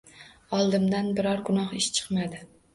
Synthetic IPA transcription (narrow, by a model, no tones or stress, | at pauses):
ɒlˠd̪ɪmd̪anbɪɾɒɾɡʊnɒχɪʃt͡ʃʰɨ̥qmad̪ɪ